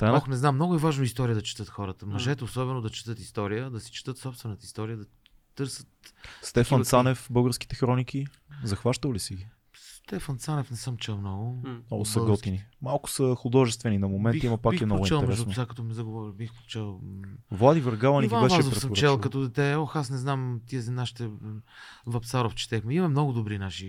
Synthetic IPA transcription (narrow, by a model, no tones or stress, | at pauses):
t̪anɔxnɛznamːnɔɡʊɛvaʒnoist̪ɔɾijəd̪ɐt͡ʃɛ̥t̪ɤt̪xɔɾət̪əmɐʒɛt̪ɛosɔbɛnod̪ɐt͡ʃɛ̥t̪ɤt̪ist̪ɔɾijəd̪ɐsi̥t͡ʃɛ̥t̪ɤt̪sɔpst̪vɛnət̪əist̪ɔɾijəd̪ɐ | t̪ɤɾsət̪st̪ɛfənt̪sanɛfbɤlˠɡəɾski̥t̪ɛxɾɔniki | zɐxvaʃt̪əvlisɛɡi | st̪ɛfənt̪sanɛfnɛsəmt͡ʃɛlˠmnɔɡʊnɔɡsɐɡɔt̪inimalˠkʊ̥səxʊd̪ɔʒɛst̪vɛninɐmomɛnimɐpakiɛmnɔɾɔɡit͡ʃɛlˠɛmɛɾɛdsʊnsakɐt̪ɔmizɐɡovɔɾibixpot̪t͡ʃɛlˠvlˠad̪ivəɾɡavˠɐniiabɛʃaɛzofɾfɾsəmɾt͡ʃt͡ʃɛlˠkɐt̪ɔd̪ɛt̪ɛɔxasnɛznamt̪iəznaʃi̥t̪ɛ | vɐp̪saɾoft͡ʃɛ̥t̪ɛxmɛimɐmnɔɡʊd̪obɾinaʃi